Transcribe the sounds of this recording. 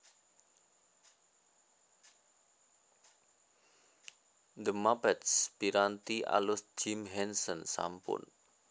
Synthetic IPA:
d̪əmapɛt̪sbiɾant̪iʔa̰lʊsd͡ʒimɦɛnsənsa̰mpʊ̰n

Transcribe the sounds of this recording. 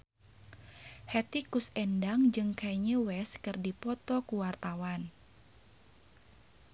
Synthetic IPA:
hɛt̪ikusɛndaŋd͡ʒɨŋkajɲəwɛskɨrdipɔt̪ɔkuwart̪awan

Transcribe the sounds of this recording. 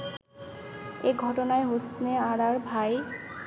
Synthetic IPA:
eɡʱɔʈonaeɦost̪neaɽaɾbʱae

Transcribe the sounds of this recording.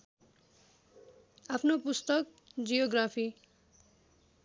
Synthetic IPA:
apʰnopust̪ʌk | d͡zijoɡrapʰi

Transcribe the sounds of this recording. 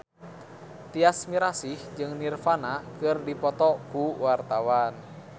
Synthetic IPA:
t̪iasmiɾasihd͡ʒɨŋnirfanakɨrdipɔt̪ɔkuwart̪awan

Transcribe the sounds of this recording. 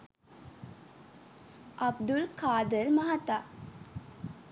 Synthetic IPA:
ʔɐb̚d̪ulkaːd̪əɾmɐɦat̪aː

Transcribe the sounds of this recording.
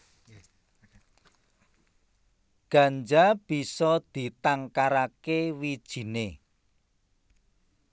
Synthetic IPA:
ɡ̥ä̤nd͡ʒab̥i̤sɔd̪̥i̤t̪aŋkaɾakewid̥ʒ̥i̤ne

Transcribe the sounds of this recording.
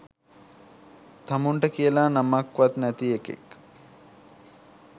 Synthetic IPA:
t̪amuɳʈəkijəlaːnamakʋat̪næt̪iekḛk

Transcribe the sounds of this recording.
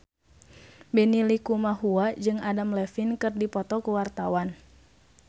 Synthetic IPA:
bɛnilikumahuad͡ʒɨŋadamlɛfinkɨrdipɔt̪ɔkuwart̪awan

